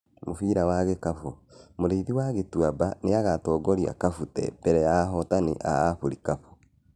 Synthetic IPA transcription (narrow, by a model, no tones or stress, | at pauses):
mofiːɾawaɣekafomoɾeiðiwaɣetwabaneaɣatɔːɡɔɾia̰kafutɛ̰bɛɾɛjaɦɔtanḛʔaaɸoɾikaɸo̥